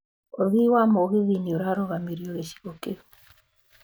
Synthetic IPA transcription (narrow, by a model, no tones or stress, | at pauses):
oðiwamoɣɪðinioɾaɾoɣamiɾjoɣeʃi̥ɣoke